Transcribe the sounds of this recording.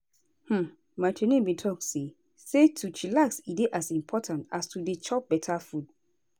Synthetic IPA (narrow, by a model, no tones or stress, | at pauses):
hm̩ | maɪt͡ʃenẽbĩtʰɔk̚tse | setʰut͡ʃilaksideʔasĩmpʰɔtʰãntastʰudet͡ʃʰɔp̚bɛtʰafud̚